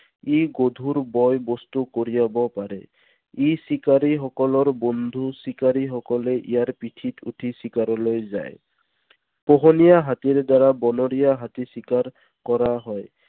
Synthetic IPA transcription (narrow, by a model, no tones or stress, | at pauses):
iɡod̪ʱuɹbɔjbɔstukoɹijabɔpaɹɛ̰ | isikaɹixɔkɔlɔɹbɔnd̪ʱusikaɹixɔkɔlɛʔḭjaɹpitʰitʰṵtʰisikaɾɔlojza̰j | pɔɦɔnijaɦatiɹdaɹabɔnɔɹijaɦatisikaɹ | kɔɹaɦɔj